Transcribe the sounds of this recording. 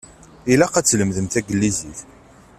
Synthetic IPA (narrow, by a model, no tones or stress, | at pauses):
ilæqæt͡sːləmðəmθæɡəlːizḭθ